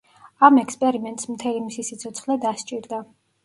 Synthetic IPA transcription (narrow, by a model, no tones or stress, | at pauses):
amɛkʰspʼɛɾimɛnt̪ʼsmt̪ʰɛlimisisit̪sʰɔt̪sʰχlɛd̪ast͡ʃʼiɾd̪a